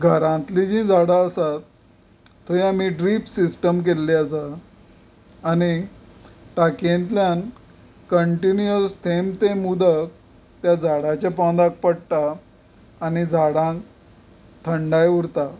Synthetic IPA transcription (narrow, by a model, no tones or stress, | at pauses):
ɡʱəɾãnt̪lid͡ʑĩd͡zʱaɽaəsat̪ʰː | oĩam̤iɖɾipsisʈəmk̬elːiəsa | ni | t̪akẽnt̪ljan | kəɳʈinjəst̪ʰemt̪emud̪ək̚ | t̪jad͡zʱaɽat͡ɕapãw̪̃d̪ak̚pəɽt̪aː | nid͡zʱaɽãŋk | t̪ʰəɳɖajuɾt̪a